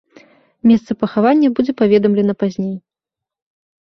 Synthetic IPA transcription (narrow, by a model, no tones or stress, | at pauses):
mʲɛst̪sɐpɐxavanʲːɐbud͡zʲɛpavʲɛd̪ɐmlʲɛnɐpazʲnʲej